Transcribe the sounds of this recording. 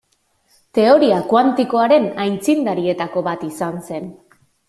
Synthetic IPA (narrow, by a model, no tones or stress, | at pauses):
t̪e̞o̞ɾiakwant̪iko̞aɾe̞najnt͡sind̪aɾie̞t̪ako̞βat̪isanse̞n